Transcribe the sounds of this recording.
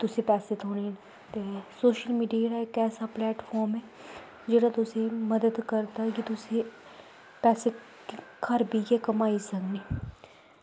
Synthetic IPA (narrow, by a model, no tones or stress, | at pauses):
t̪ʊsẽpɛːset̪ʰoːne | t̪eːsoːʃəlmiːɖijaɽaekɛːsaplɛːʈfʰɔːɾmɦɛː | d͡ʒeːɽat̪ʊsẽməd̪əd̪kəɾt̪akit̪ʊse | pɛːse | kʰəɾbijɛkəmaːisəkneː